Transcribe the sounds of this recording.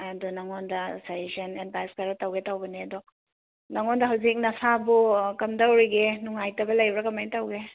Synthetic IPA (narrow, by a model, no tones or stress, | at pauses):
ɐdɔnɐŋondɐsajzɐnedbajskaɾɐtɐwɡetɐwbɐneɐdɔ | nɐŋondɐɦɐwzik̚nɐsʰabukɐmdɐwɾiɡenuŋajtɐbɐlɐjbɾɐkɐmanitɐwɡe